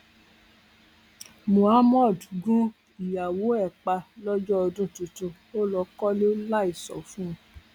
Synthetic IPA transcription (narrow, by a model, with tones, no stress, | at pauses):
mũ˨a˦mɔ˦˨dɡũ˦ | i˨ja˨wo˨˦ɛ˦˨k͡pa˧lɔ˦d͡ʒɔ˦ɔ˧dũ˦˨tũ˨˧tũ˧ | o˦lɔ˧kɔ˦le˦la˦i˦˨sɔ̰˨fũ˦˨˦